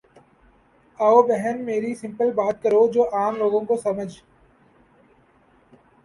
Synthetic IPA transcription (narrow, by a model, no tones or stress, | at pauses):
aobɛɦənmeːɾisɪ̃mpəlbaːt̪̚kəɾod͡ʒoːʔaːmloːɡõkosɐməd͡ʒʱ